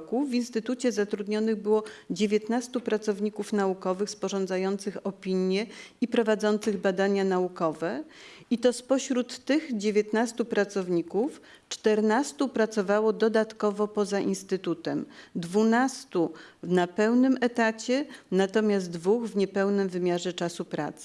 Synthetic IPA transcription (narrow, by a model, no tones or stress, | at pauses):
kuvinst̪ɘt̪ut͡ɕɛzat̪ɾud̪ɲɔnɘɣbɘwɔd͡ʑevʲjet̪nast̪upɾat̪sɔvɲikufnaukɔvɘxspɔʐɔ̃nd̪zajɔnt̪sɘxɔpʲiɲjɛipɾɔvad̪zɔnt̪sɘɣbad̪aɲanaukɔvɛ | it̪ɔspɔɕɾut̪ːɘɣd͡ʑevʲjet̪nast̪upɾat̪sɔvɲikuf | t͡ʂt̪ɛɾnast̪upɾat̪sɔvawɔd̪ɔd̪at̪kɔvɔpɔzaʔinst̪ɘt̪ut̪ɛmd̪vunast̪uvnapɛwnɘmɛt̪at͡ɕɛnat̪ɔmʲjaszdt̪d̪vuɣvɲɛpɛwnɘmvɘmʲjaʐɛt͡ʂasupɾa̰t̪s